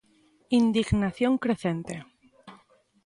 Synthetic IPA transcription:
ind̪iɣnaθjoŋkɾe̞θent̪e

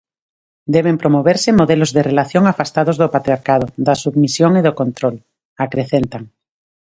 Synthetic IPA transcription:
d̪eβ̞empɾomoβeɾsemoðelozðerelaθjoŋafast̪að̞ozðopat̪ɾijaɾkað̞oðasuβmisjoŋiðokõnt̪ɾol | akɾeθent̪aŋ

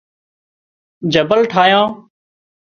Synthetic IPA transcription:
d͡ʒəbəlʈʰaːjãː

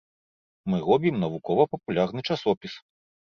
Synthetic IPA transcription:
mɨɾɔbʲimnɐvukɔvɐpɐpulʲarnɨt͡ʂasɔpʲis

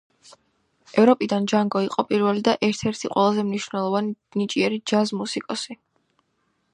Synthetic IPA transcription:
ɛvɾɔpʼid̪and͡ʒaŋɡɔiqʼɔpʼiɾvɛlid̪aʔɛɾt̪ʰɛɾt̪ʰiqʼwɛlˠazɛmniʃvnɛlˠɔvani | nit͡ʃʼiɛɾid͡ʒazmusikʼɔsi

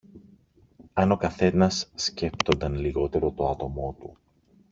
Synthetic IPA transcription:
ɐno̞kɐθe̞nɐsːce̞p̚t̪o̞nd̪ɐnliɣo̞t̪e̞ɾo̞t̪o̞ɐt̪o̞mo̞t̪u

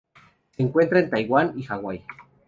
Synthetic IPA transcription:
seeŋkʷwʷent̪ɾaent̪ajɣwanixawaj

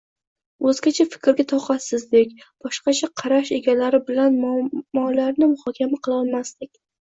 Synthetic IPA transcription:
ɵzɡʲat͡ʃʰafɪ̥kʲʰɾɡʲat̪ʰɒqɑsɪzd̪ekʲ | b̥ɒʃqɑt͡ʃʰaqʰɑɾaʃeɡʲalaɾɪbɪlanmɒlaɾnɪmʊhɒkʲʰamaqʰɨlˠɒlˠmasd̪ɪkʲ

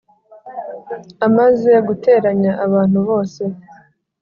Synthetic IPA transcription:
amaze̞ɡute̞ːɾaɲaʔːβaːn̥huβo̞ːse̞

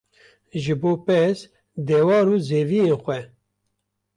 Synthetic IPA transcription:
ʒɨboːpɛs | d̪ɛːwɑːɾuːzeːvijenxʷɛ

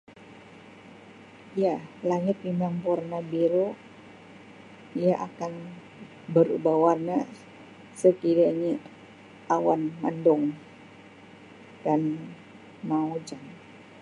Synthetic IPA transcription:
jalaŋɪt̪̚imaŋpurnabiɾo | ijaʔakan | bəɾṵbawana | səkiɾaɲa | ʔawanma̰ndɔŋ | d̥an | maud͡ʒaŋ

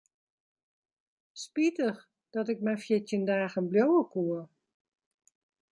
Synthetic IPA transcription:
spitəx | d̥ɔtɪk̚mɛjfjɪtəndaːɣənbljowəkuə

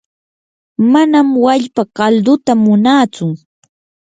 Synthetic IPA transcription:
manamwaʎpakald̪ʊt̪amʊnaːt͡sʊ

